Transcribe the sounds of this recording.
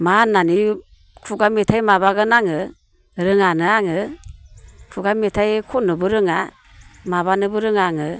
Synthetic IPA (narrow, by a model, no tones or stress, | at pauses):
manani | kʰuɡametʰajmaβaɡɯnaŋɯ | ɾɯŋanɯaŋɯ | kʰuɡametʰajkʰɔnɯbɯɾɯŋa | maβanɯbɯɾɯŋaŋɯ